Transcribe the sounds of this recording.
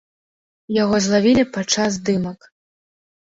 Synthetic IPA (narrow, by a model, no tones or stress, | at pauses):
jaɣɔzlˠavʲilʲipat͡ʂaz̬d̪ɨmɐk